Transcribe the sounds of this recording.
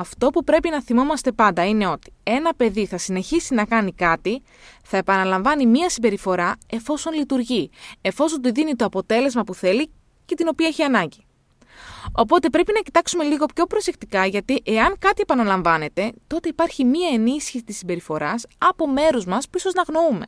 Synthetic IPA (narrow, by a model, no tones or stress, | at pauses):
ɐft̪o̞pupɾe̞pinɐθimo̞mɐst̪e̞pɐnd̪ɐine̞o̞t̪i̥e̞nɐpe̞ðiθɐsine̞çisinɐkɐnikɐt̪i | θɐe̞pɐnɐlɐɱvɐnimiɐsimbe̞ɾifo̞ɾɐe̞fo̞so̞nlit̪uɾʝie̞fo̞so̞nt̪uðinit̪o̞ɐpo̞t̪e̞le̞zmɐpuθe̞li | ce̞t̪ino̞piɐeçiɐnɐɲɟi | o̞po̞t̪e̞pɾe̞pinɐci̥t̪ɐksume̞liɣo̞pço̞pɾo̞se̞kt̪ikɐʝɐt̪iʔe̞ɐŋkɐt̪ie̞pɐnɐlɐɱvɐne̞t̪e̞t̪o̞t̪eipɐɾçimiɐe̞nisçisi̥t̪isimbe̞ɾifo̞ɾɐsɐpo̞me̞ɾuzmɐspuiso̞znɐɣno̞ume̞̰